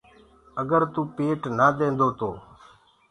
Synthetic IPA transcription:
əɡəɾt̪uːpeːʈnaːd̪ẽːnd̪oːt̪oː

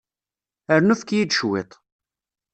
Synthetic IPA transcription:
əɾnufkjid̪ʃwḛt̪ˤ

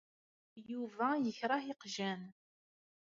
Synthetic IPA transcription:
juvæjəçɾˤɑhiqʒæn

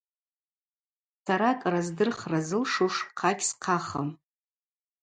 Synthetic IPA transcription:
saɾakʼrazdɨrχrazɨlʂuʂqʰaɡʲsqʰaχa̰m

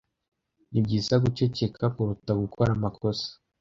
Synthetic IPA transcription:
nibɟiːsaɡut͡ʃe̞ce̞kʰakuɾutaɡukʰoɾamako̞sḁ

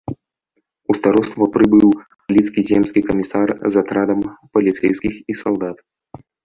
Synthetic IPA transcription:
ust̪aɾɔst̪vɐpɾɨbɨw | lʲit̪skʲizʲɛmskʲikɐmʲisarzat̪ɾad̪ɐmpɐlʲit̪sɛjskʲixisalˠd̪at̪

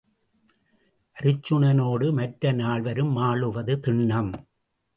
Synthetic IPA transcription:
ʔɐɾɯt͡ʃːɯɳɐnoːɽɯmɐʈɾɐnaːɭʋɐɾɯmːaːɭɯʋɐðɯt̪ɪɳːɐm

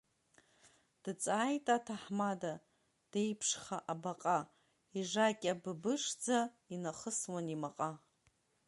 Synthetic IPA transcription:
d̥t͡sʼaːjtʼatʰaħmada | d̥ejpʰʂχaʔabaqʼa | iʐakʲʼabɨbɨʂd͡za | inaχəswanimaqʼa

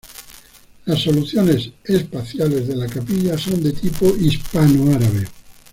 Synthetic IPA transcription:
lasːo̞luθjone̞sespaθjale̞zðe̞lakapiʎaso̞nd̪e̞t̪ipoʔispanoaɾaβ̞e

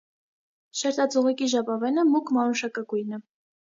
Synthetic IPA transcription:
ʃɛɾt̪ɑt͡sɔʁɛkiʒɑpɑvɛnəmukʰmɑnuʃɑkəkujnə

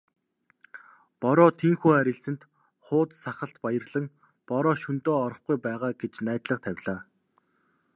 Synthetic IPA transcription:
pɔɾɔːt̪ʰiŋxuːæɾʲɪ̆ɬsɘ̆nt̪ | χʊːt̪saχə̆ɬt̪pajə̆rɮə̆ŋ | pɔɾɔːʃunt̪oːɔɾɞ̆χɡujpæːʁaːɡet͡ɕnæːt̪ɮə̆qt̪ʰæwʲɮaː

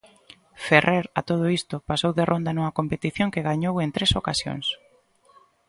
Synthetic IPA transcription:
ferʔeɾat̪oð̞oist̪ʊpasowðerʔond̪anuŋɐkompet̪iθjoŋkeɣaɲowent̪ɾesokasjo̰ŋs

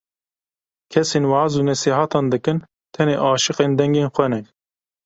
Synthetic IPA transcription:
kʰɛseːnwɑːazuːnɛsiːɦɑt̪ɑːnd̪ɨkɨn | t̪ʰɛneːʔɑːʃɨqeːnd̪ɛŋɡeːnxʷɛnɛk

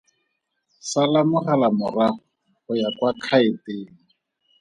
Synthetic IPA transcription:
salamʊχalamʊra | χʊjakwakʰaɪteːŋ̩

